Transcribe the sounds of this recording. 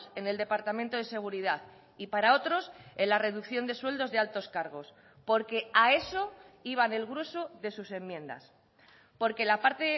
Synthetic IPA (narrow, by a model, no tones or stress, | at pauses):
se̞ne̞ld̪e̞paɾt̪amẽnt̪o̞ð̞e̞se̞ɣ̞uɾiðaθ | ipaɾao̞t̪ɾo̞se̞nlare̞ðukθjo̞nd̪e̞swe̞ld̪o̞zðealt̪o̞skaɾɣ̞o̞s | po̞ɾke̞ae̞so̞ | iβ̞ane̞lɣɾweso̞ðe̞suse̞mjẽ̞nd̪a̰s | po̞ɾke̞lapaɾt̪e